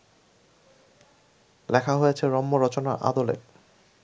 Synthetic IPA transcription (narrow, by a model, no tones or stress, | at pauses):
lɛkʰaɦojet͡ɕʰeɾɔmːoɾɔt͡ɕonaʔa̰d̪olḛ